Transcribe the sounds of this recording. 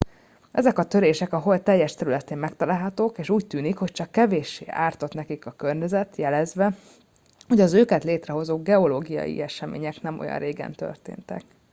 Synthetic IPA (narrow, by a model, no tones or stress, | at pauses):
ʔɛzɛkɒt̪øɾeːʃɛkɒɦo̞lt̪ɛjːɛʃt̪ɛɾylɛt̪eːmmɛkt̪ɒlaːlɦɒt̪oːkeːʃuːct̪yːnikho̞ct͡ʃɒkːɛveːʃḛːaːrt̪o̞t̪nɛkikɒkø̞rɲɛzɛt̪jɛlɛzʋɛ | ho̞ɟɒzøːkɛt̪leːt̪rɛɦo̞zoːɡɛo̞loːɡijɒ̰jḭɛʃɛmḛːɲɛknɛmo̞̰jɒ̰nreːɡɛ̰nt̪ø̰rt̪ḛːnt̪ɛ̰k